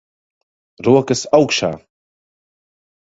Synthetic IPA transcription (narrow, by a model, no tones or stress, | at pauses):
ɾuɐkəsawkʃa̰